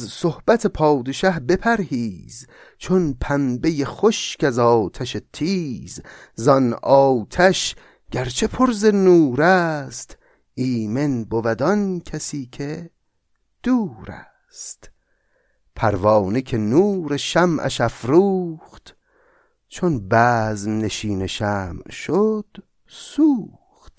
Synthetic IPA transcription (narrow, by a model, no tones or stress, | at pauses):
zsohb̥æt̪ʰepʰɒːd̪e̞ʃæhbe̞pʰæɾhiːz | t͡ʃʰonpʰæmbe̞jeχoʃkæzɒːt̪ʰæʃet̪ʰiːz | zɒnɒːt̪ʰæʃ | ɟ̥æɾt͡ʃʰe̞pʰoɾzenuːɾæst̪ | iːmenbovæd̪ɒnkʰæsiːkʰe | d̪̥uːɾæ̰ | st̪ | pʰæɾvɒːnekʲʰe̞nuːɾeʃæmʔæ̰ʃæfɾuːχt̪ | t͡ʃʰonbæːzmneʃiːneʃæːmʃod̪̥ | suː | χt̪